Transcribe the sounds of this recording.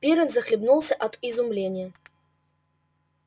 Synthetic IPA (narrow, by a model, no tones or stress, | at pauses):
pʲiɾɛnzɐxlʲibnulˠsʲɐʔɐd̪izumlʲenʲːɐ